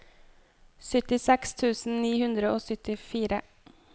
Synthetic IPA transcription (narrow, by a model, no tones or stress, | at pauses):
sʏt̪ɪsɛkst̪ʰʉːsn̩niːhʉnd̪ɾəoːsʏt̪ɪfiːɾə